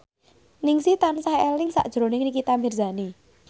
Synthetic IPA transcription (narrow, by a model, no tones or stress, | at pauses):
nɪŋsit̪ansahelɪŋsa̰ʔd̥ʒ̥ɾo̤nɪŋnikit̪amirzani